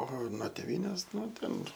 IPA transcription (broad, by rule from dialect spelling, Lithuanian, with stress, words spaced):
oː nuɔ tʲɛˈʋʲiːnʲeːs ˈnʊ ˈtʲɛn